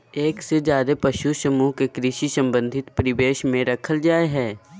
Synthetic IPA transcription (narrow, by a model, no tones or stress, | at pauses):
eːksed͡ʒjaːd̪epɐʃusɐmuːɦkekɾɪʃisɐ̃mbə̃nd̪ʱɪt̪pəɾɪʋeːʃmẽɾɐkʰəld͡ʒaːeɦɛː